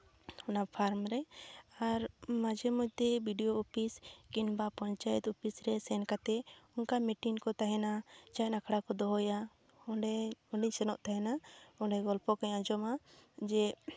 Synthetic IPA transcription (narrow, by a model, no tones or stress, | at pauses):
ɔnapʰaɾmɾɛaɾmad͡ʒɛmɔc̚d̪ɛbʱiɖijoupʰiskinbapɔɲt͡ʃajɛt̪upisɾɛsɛnkat̪ɛɔnkamɛʈinkɔt̪aɦɛnat͡ʃajt̪nakʰɽakɔd̪ɔɦɔja | ɛɔɖiɲsɛnɔʔt̪aɦɛnaɔɖɛɡɔlpɔkaɲãd͡ʒɔmad͡ʒɛ